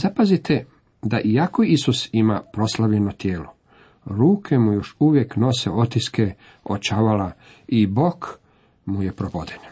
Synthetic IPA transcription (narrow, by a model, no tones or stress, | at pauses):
zapazit̪ʰe | d̪aʔiako̞isusimapɾo̞slaʋʎenot̪jeːlo̞ | ɾuːkʰe̞mujo̞ʃuʋje̞kno̞sḛo̞t̪iske | ot͡ʃaʋala | ibo̞k | muje̞pɾopod̪en